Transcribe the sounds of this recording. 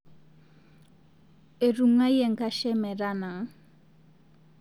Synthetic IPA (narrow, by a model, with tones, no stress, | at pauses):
e˨ɾu˨ŋa˦jɛ˨ŋka˦ʃɛ˦mɛ˨ɾa˦na˨ŋ˦